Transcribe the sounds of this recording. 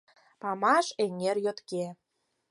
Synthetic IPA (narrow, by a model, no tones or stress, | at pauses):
pɑmɑʃeŋerjot̪ke